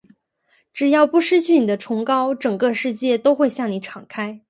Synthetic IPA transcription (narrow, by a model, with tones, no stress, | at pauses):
ʈ͡ʂɻ̩˨˩jɑ˥˩ʊpu˥˩ʂɻ̩˥t͡ɕʰy˥˩ni˨˩d̪ə˦ʈ͡ʂʰʊ˧˥ŋkɑ˥ʊʈ͡ʂɤ˨˩ŋkɤ˥˧ʂɻ̩˥˧t͡ɕjɛ˥˩t̪o˥ʊxwe˥˧ɪɕjɑ˥˩ŋni˧˥ʈ͡ʂʰɑ˨˩ŋkʰa˥ɪ